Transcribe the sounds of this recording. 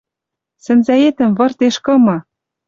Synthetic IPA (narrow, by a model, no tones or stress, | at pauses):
sɘ̆nzæet̪ɘ̆mvɤ̆rt̪eʃkɤ̆mɤ̆